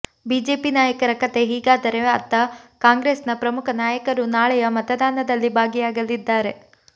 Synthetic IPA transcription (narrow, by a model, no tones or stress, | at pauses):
biːd͡ʒe̞ːpinaːjɐkɐɾɐkɐt̪e̞ɦiːɡaːd̪ɐɾe̞ɐt̪ːɐkaːŋɡɾeːsnɐpɾɐmukʰɐnaːjɐkɐɾunaːɭɛjɐmɐt̪ɐd̪aːnɐd̪ɐlːibʱaːɡijaːɡɐlid̪ːaːɾe̞